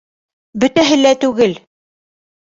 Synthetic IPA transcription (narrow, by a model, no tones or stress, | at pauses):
bɵ̆t̪æɦɘ̆læt̪ʉɡɘl